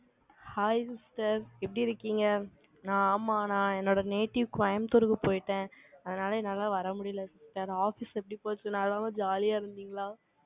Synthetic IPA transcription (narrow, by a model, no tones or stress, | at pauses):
haːjsɪsʈɐɾɛpːɐɽiɪɾɯkːiːŋɡɐ | nãːaːmːaːnãːɛnːoːɽɐneːʈːɪʋkʋɐjɐmt̪ɔɾɯɣɯpoːjʈːẽːɐðɐnaːlɐnɐlːaːʋɐɾɐmʊɽɪjɪlɐsɪsʈɐɾaːfɪsɛpːɐɽipoːt͡ʃːɯ̃nalːaːmaːd͡ʒaːlijaːɪɾɯnd̪iːŋɡɐɭaː